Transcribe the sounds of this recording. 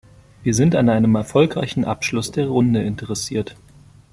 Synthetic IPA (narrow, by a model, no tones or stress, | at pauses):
viːɐzɪntanʔaɪnəmɛɐfɔlkʁ̥a̰ɪçn̩ʔa̰pʃlʊsd̥eːɐʁʊndəɪntəʁɛsiːɐt